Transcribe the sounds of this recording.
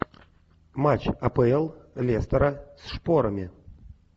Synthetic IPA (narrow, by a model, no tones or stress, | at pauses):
mat͡ɕɐpəɛlˠlʲest̪ɐɾɐsʂpoɾəmʲɪ